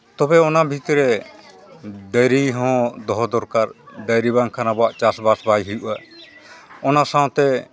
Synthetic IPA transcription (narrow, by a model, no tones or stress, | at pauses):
t̪ɔbɛɔnabʱit̪ɾɛ | d̪əjɾiɦɔ̃d̪ɔɦɔd̪ɔɾkaɾd̪əjɾibaŋkʰanabɔwaʔt͡ʃasbasbajɦijuʔa | ɔnasãw̃t̪ɛ